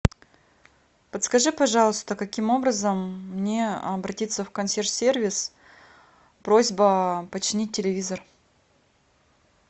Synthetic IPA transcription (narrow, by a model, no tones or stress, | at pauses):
pət̪skɐʐɨpɐʐɑlˠʊst̪əkɐkʲimo̞bɾəzəmːnʲe̞ɐbɾɐtʲit̪səfkɐnsʲert̪sʲe̞rvʲɪs | pɾo̞zʲbəpət͡ɕɪnʲit̚ʲːɪlʲɪvʲizər